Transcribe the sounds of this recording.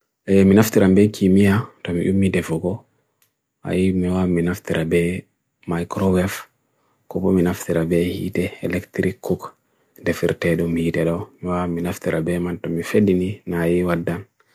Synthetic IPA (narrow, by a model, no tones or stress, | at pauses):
ʔɛminaft̪iɾʔambɛkʰimijatɔmḭʔumːidɛfɔɡɔ | ʔa̰jimiwaminaft̪iɾʔabɛ | majkɾɔwɛf | kɔbɔminaft̪iɾabɛhḭtɛɛlɛktɾikːuk | dɛfḭɾtɛɗɔmihitɛɗɔmiwaminaft̪iɾabɛmantɔmifedininajiwadːan